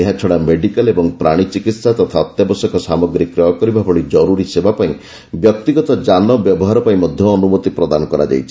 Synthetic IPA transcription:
eɦãt͡ʃʰɔɽameɖikalebɔŋpɾaɽ̃it͡ʃikit̪sat̪ɔt̪ʰaɔt̪jabɔsɔkɔsamɔɡɾikːɾɔjɔkɔɾibabʱɔɭid͡ʒɔɾuɾisebapaĩ | bjɔk̚t̪iɡɔt̪ɔd͡ʒanɔbjɔbɔɦaɾɔpaĩmɔd̪ʱjɔːnumot̪ipɾɔd̪anɔkɔɾa̰d͡ʒa̰jt͡ʃʰi̥

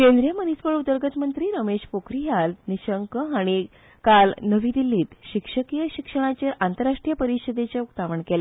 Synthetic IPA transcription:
kend̪ɾijəmənispəɭud̪əɾɡət̪mənt̪ɾiːɾəmeɕpokɾiɦalniɕəŋkəaɽ̃i | kalnəʋiːd̪ilːiːt̪ɕikʂəkijəɕikʂəɳ̃at͡ɕeʔant̪əɾːaʂʈɾijəpəɾiɕəd̪et͡ɕaukt̪aʋəɳkele

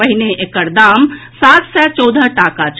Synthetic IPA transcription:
əɦɪneʔekəɾd̪aːmsaːt̪sɛt͡ʃɔːd̪ʱəʈaːkat͡ʃʰ

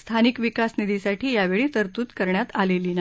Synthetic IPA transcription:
st̪ʰanikʋikasnid̪isaʈʰiːjaʋeɭiːt̪əɾt̪uːt̪kəɾɳjat̪aleliːna

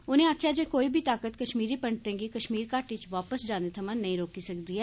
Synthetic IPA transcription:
ʊnẽːaːkʰjaːd͡ʒeːkoːiːbʱiːt̪aːkət̪kəʃmiːɾiːpəɳt̪ẽːɡiːkəʃmiːɾkaːʈit͡ʃʋaːpəsd͡ʒaːneːt̪ʰəmãːnəĩːɾoːkiːsəkd̪iːɦɛː

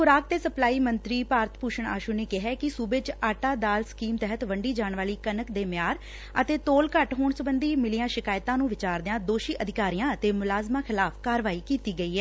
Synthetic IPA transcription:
xʊɾaːk̚t̪eːsəplaːiːmənt̪ɾiːpaːɾət̪ʰpuːʃəɳa̰ːʃuːneːkɪɦɛːkɪsuːbet͡ʃaːʈaːd̪aːlskiːmt̪ɛɦət̪ʋəɳɖiːd͡ʒaːɳʋaːliːkənəkd̪eːmjaːɾ | ə̰t̪eːt̪oːlkəʈɦoːɳsəbənd̪iːmɪlijãːʃɪkaːjɪt̪ãːnũːʋɪt͡ʃaːɾd̪ɪjãːd̪oːʃiːʔəd̪ʱɪkaːɾijãːət̪eːmʊlaːzmãːxʰɪlaːpʰkaːɾʋaːiːkiːt̪iːɡəiːɦɛː

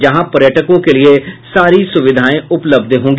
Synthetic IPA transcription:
d͡ʒəɦãːpəɾjəʈəkõːkeːlɪeːsaːɾiːsʊʋɪd̪ʱaːẽːʊpləbd̪ɦõːŋ̆ɡ

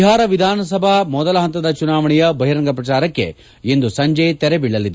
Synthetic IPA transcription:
ɦaːɾɐʋid̪ʱaːnɐs̬ɐbʱɐmɔd̪ɐlɐɦɐnt̪ɐd̪ɐt͡ʃunaːʋɐɳɛjɐbɐɦiɾɐŋɡɐpɾɐt͡ʃaːɾɐkːe̞̰ | end̪usɐɲd͡ʒejt̪ɛɾebiɭːɐlːid̪

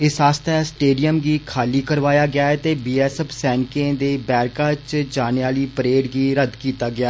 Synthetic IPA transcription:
ɪsaːst̪ɛːsʈeːɖijəmɡiːkʰaːliːkəɾʋaːjaːɡɪaːɛt̪eːbiːɛːsɛpʰsɛ̃ːnkẽd̪eːbɛːɾkaːt͡ʃd͡ʒaːneaːliːpəɾeːɖɡiːɾəd̪kiːt̪aːɡɪaː

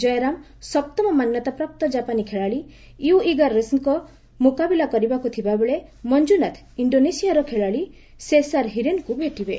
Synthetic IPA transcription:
d͡ʒɔjeɾam | sɔp̚t̪ɔmɔmanjɔt̪apɾap̚t̪ɔd͡ʒapanikʰeɭaɭi | juiɡaɾːesŋkɔ | mukabilakɔɾibakut̪ʰibabeɭemɔnd͡ʒunat̪ʰ | iɳɖonesijaɾɔkʰeɭaɭi | sesaɾɦiɾenkubeʈibe

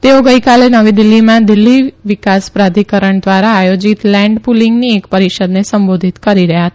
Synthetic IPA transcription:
t̪eoɡəikalenəʋid̪ɪlːimãd̪ɪlːiʋɪkaspɾad̪ʱikəɾəɳd̪ʋaɾaːjod͡ʒit̪lɛ̃ɳɖpuliŋɡniekpəɾiʃəd̪nesəmbod̪ʱit̪kəɾiɾəɦjaɦət̪

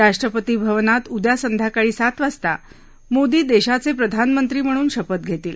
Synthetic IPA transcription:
ɾaʂʈɾəpət̪iːbʱəʋnat̪ud̪jasənd̪ʱakaɭiːsat̪ʋast̪a̰ | mod̪iːd̪eɕat͡sepɾəd̪ʱanmənt̪ɾiːm̤əɽ̃uːnɕəpət̪̚ɡʱet̪iːl

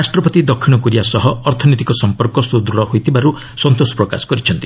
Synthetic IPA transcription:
asʈɾɔpɔt̪id̪ɔkʰːiñɔkuɾiasɔɦɔːɾt̪ʰɔnɔjt̪ikɔsɔmpɔɾkɔsud̪ɾuɽɔɦojt̪ʰibaɾu | sɔnt̪osɔ̥pɾɔka̰sɔ̥kɔɾit͡ʃʰɔnt̪i

